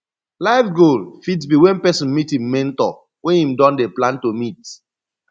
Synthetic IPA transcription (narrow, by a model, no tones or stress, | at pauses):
laɪfɡolfitsbiwɛ̃npɛsĩnmitĩmːɛ̃ntɔ̰ | wɛ̃nĩmdɔ̃ndeplãntomit